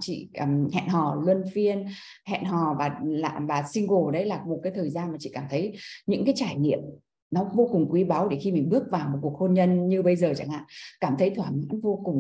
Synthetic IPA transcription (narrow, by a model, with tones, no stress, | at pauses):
t͡ɕḭ˧˨˧mhɛ̰˧˨nɦɔ˨˩lwə˧nfi˧ən | hɛ̰˧˨nɦɔ˨˩vaː˨˩la̰ː˧˨vaː˨˩sï˧ŋɣo˨˧˩ɗə˨˦jlaː˨˩m˨˩t̚kaː˨˦jt̪ʰəː˨˩jzaː˧nmaː˨˩t͡ɕḭ˧˨kaː˧˩mt̪ʰə˨˦jɲɨ̰˧˥ŋkaː˨˦jt͡ɕaː˧˩jnḭ˧˨əm | nɔ˨˦vo˧kʊ˨˩ŋ͡mkwi˨˦ɓa˨˦wɗe˧˩xi˧mï˨˩ŋɓɨ˦˥ək̚vaː˨˩wmo˨˩ku˨˩ək̚ho˧nɲə˧nɲɨ˧ɓə˧jzəː˨˩t͡ɕa̰˧˩ŋa̰ː˧˨kaː˧˩mt̪ʰə˨˦jt̪ʰwaː˧˩ɲa̰˧˥nvo˧kʊ˨˩ŋ͡m